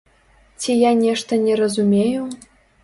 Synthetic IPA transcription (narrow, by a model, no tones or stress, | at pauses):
tʲʰejanʲeʂt̪ə̆nʲeɾəzumʲeju